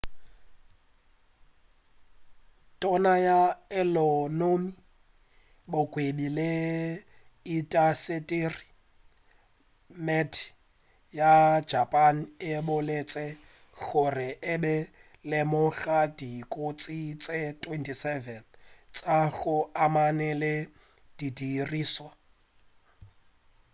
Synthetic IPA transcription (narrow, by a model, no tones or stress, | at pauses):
tʼɔnajaɛlɔnomi | bʊkʼwedile | itʼasetʼiri | mɛtʰ | jad͡ʒapʼan̩ɪbʊlet͡sʼɛ | ɣʊrɪʔɪbɛ | lɪmʊɣadikʼot͡sʼit͡sʼetʼwɛntʰʼisɛvɛnt͡sʼaɣʊamanɛlɪ | d̥idiriːswa